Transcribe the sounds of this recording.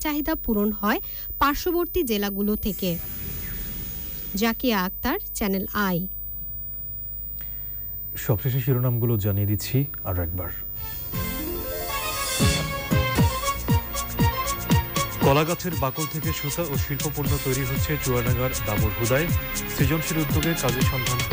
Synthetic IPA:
t͡ɕaɦid̪apuɾonɦɔe | paɾʃoboɾt̪id͡ʑelaɡulot̪ʰeke | d͡ʑakeaak̚t̪aɾt͡ɕɛnelaj | ʃɔbʃeʃ̬eʃiɾonamɡulod͡ʑanijed̪itːɕʰi | a̰ɾoɛk̚ba̰ɾ | kɔlaɡat͡ɕʰeɾbakolt̪ʰekeʃut̪aoʃilpopuɾnot̪ojɾiɦot̪ːɕʰet͡ɕuɾanaŋɡaɾd̪aboɾɦud̪aesɾid͡ʑonʃeɾud̪ːoɡeɾkad͡ʑeɾʃɔŋd̪ʱan

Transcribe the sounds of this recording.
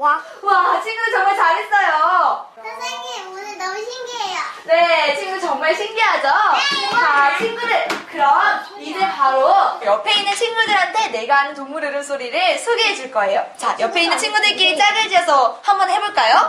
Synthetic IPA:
wa | wat͡ɕʰiŋɡudɯɭt͡ɕʌŋmaɭt͡ɕaɡes͈ʌjo | aiɡeunɯnːʌmuɕʰiŋɡiejone̞t͡ɕʰiŋɡɯnɯt͡ɕʌŋmaɭɕʰinɡiɦad͡ʑo | at͡ɕʰiŋɡunɯɭkɯɾʌa | iɾepaɾojʌpʰe̞inːɯnɕʰiŋɡudɯɭɦantʰe̞ne̞ɡaanɯntoŋmuɾɯɾɯnsʰoɾiɾɯɭsʰoɡeɦed͡ʑuɭk͈ʌe̞jot͡ɕajʌpʰe̞innːɯnt͡ɕʰiŋɡudɯɭk͈it͡ɕ͈aɡɯɭd͡ʑiʌsʰʌhambʌnhe̞boɭk͈ajo

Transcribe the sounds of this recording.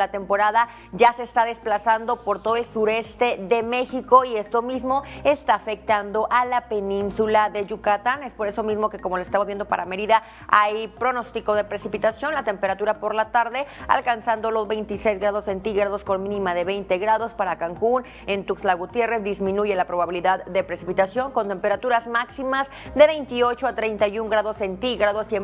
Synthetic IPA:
at̪e̞mpo̞ɾaða | ɟ͡ʝase̞ːst̪aðe̞splasand̪o̞po̞ɾt̪o̞ðoe̞lsuɾe̞st̪e̞ðe̞me̞xiko̞ie̞st̪o̞mizmo̞est̪aːfe̞k̚t̪and̪o̞ʔalape̞nĩnsulaðe̞ʝukat̪ane̞spo̞ɾe̞so̞mizmo̞ke̞komoloest̪amozβje̞nd̪o̞paɾame̞ɾiða | ajpɾo̞no̞st̪iko̞ð̞e̞pɾe̞sipit̪asjo̞nlat̪e̞mpe̞ɾat̪uɾapo̞ɾlat̪aɾðe̞a̰lkansand̪o̞lo̞zβe̞jnt̪isejzɣɾað̞ose̞nt̪iɣɾað̞osko̞nmĩnĩmaðe̞βejnt̪e̞ɣɾaðo̞spaɾakaŋkun | ent̪ukslaɣut̪je̞re̞zd̪izmĩnuʝe̞lapɾo̞β̞aβiliðaððe̞pɾe̞sipit̪asjo̞ŋko̞nt̪e̞mpe̞ɾat̪uɾazmaksimaz | ðe̞βe̞jnt̪io̞t͡ʃoat̪ɾe̞jnt̪ajuŋɡɾaðo̞se̞nt̪iɣɾaðo̞se

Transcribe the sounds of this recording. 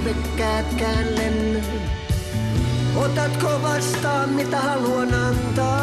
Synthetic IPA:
mekːæːt̪kæːnlenː | ot̪ɑt̪koʋɑst̪ɑːmmit̪æhɑluonɑnt̪ɑː

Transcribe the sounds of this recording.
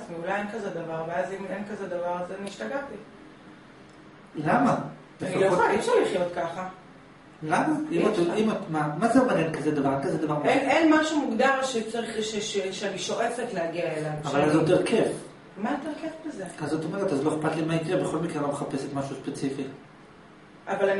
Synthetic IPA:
zmiulajenkazed̪avaʁveazimenkazedavaʁazniʃtaɡati | lama | benfialoooiefʃaʁliχjo̞tkaχa | lamaimaimatmamazeomeʁenkazed̪avaʁenkazed̪avaʁmenenmaʃumuɡdaʁʃet͡saʁiχʃeʃeʃeaniʃo̞ʁet͡setleaɡiaelavavalazot̪eʁkʰef | mat̪eʁkefbezeazot̪omeʁetazlo̞eχpat̪limaitibeχo̞lmikʁelomeχape̞set̪maʃuspet͡sifi | ʔavalan

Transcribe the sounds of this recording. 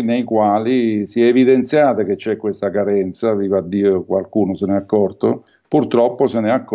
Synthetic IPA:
nejkwaːlisiɛːvid̪ent̪sjaːt̪aket͡ʃːɛkːwest̪akaɾɛnt̪saviːvad̪ːiːokwalkuːnosenɛakːɔrt̪o | purt̪ɾɔpːosenɛakː

